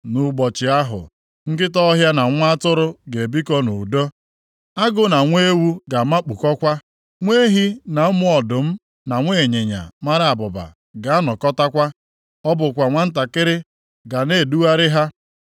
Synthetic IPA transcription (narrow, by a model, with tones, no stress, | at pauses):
nu˨ɡ͡bɔ˨t͡ʃɪ˨a˦ɦʊ̰˨ | ŋ̩˦kɪ˦tɔ˦ɦja˦na˨ŋʷ˦a˦tʊ˦ɾʊ˦ɡe˨bi˦kɔ˦nu˨do˦ | a˦ɡʊ˦na˨ŋʷe˦wu˦ɡa˨ma˦k͡pu˨kɔ˦kʷa˦ | ŋʷe˦ɦi˦na˨ʊ˦mʊ˦ɔ˨dʊ˨m̩˦ | na˨ŋʷe˦˨e˨ɲe˨ɲa̰˨ma˦ɾɪ˦a˨bʊ˨ba̰˨ | ɡa˨a˦nɔ˨kɔ˦ta˦kʷa˦ | ɔ˦bʊ˨kʷa˨ŋʷa˦n̩˦t̬a˨kɪ˦ɾɪ˦ | ɡa˨ne˦˨du˦wa˦ɾɪ˦ɦa˦